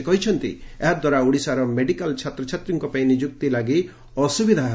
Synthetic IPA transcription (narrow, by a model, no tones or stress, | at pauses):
kɔɦit͡ʃʰɔnt̪ḭeɦad̪waɾauɽisaɾɔmeɖikalt͡ʃʰat̪ɾɔt͡ʃʰat̪ɾiŋkɔpaĩnid͡ʒuk̚t̪ilaɡi | ɔsubid̪ʱa